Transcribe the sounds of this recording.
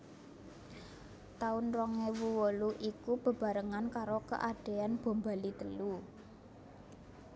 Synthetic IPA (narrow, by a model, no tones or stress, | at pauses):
t̪aʊnɾɔŋewuwɔluʔikub̥ə̤b̥a̤ɾəŋankaɾokə̰ʔaɖ̥e̤anb̥o̤mba̤lit̪əlu